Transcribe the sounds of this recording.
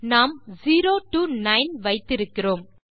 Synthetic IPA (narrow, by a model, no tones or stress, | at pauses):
naːmziːɾoːʈuːnɐɪnʋɐɪt̪ːɪɾɯkːɪroːm